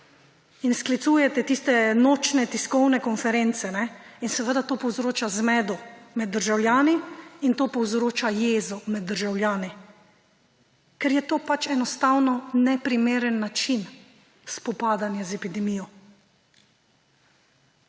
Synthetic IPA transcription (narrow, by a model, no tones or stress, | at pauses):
insklit̪suːjɛt̪ɛt̪iːst̪ɛnoːt͡ʃnɛt̪iskɔwnɛkɔnfɛɾent̪sɛnɛinsɛʋəd̪at̪oːpɔwzɾoːt͡ʃazmɛːd̪ɔmɛd̪ːəɾʒawljaːniint̪oːpɔwzɾoːt͡ʃajeːzɔmɛd̪ːəɾʒawlʲjaːni | kɛɾjɛt̪oːpat͡ʃɛnɔst̪awnɔnɛpɾimeːɾənːat͡ʃin | spɔpaːd̪anjazɛpid̪ɛmiːjɔ